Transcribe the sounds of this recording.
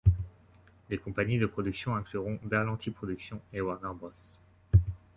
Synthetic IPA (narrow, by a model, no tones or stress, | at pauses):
lekɔ̃paɲid̪əpχɔd̪yksjɔ̃ɛ̃klyʁɔ̃bɛʁlɑ̃t̪ʰipχɔd̪yksjɔ̃ewaʁnaʁbʁɔs